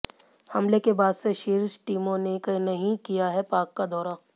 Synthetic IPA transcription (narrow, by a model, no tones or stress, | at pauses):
hɐmlekebaːd̪seʃɪɾsʈiːmõnekəinɐɦĩkijaɦɛpaːkːad̪ʱɔːɾa